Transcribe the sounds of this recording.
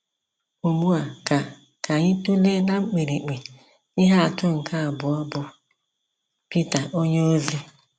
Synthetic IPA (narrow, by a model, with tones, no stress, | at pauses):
u˨mu˦a˨ka˨ | kʰa˨ɲɪ˦tu˦le˦na˦ŋ͡m̩˦k͡pe˨ɾi˨k͡pe˨ | ɪ˦ɦa˦a˨tʊ˦ŋ̩˨kʰa˦˨bʊ˨ɔ˦bʊ˨ | pi˦ta˨ʔo˦ɲe˦o˦zi˦